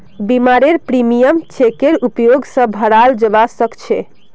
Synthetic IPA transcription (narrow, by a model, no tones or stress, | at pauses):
bimaɾeɾpɾimijəmt͡ʃʰekeɾupjoɡsə̃bʱəɾald͡ʒəbasəkt͡ʃʰɛ